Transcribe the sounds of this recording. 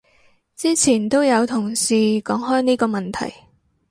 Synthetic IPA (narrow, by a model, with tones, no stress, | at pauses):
t͡siː˥t͡sʰiː˨˩nt̪o˥wjɐ˨˧wt̪ʰʊ˨˩ŋsiː˨˧kɔː˨˥ŋɦɔː˥jniː˥kɔː˧mɐ˨nt̪ʰɐ̰˨˩j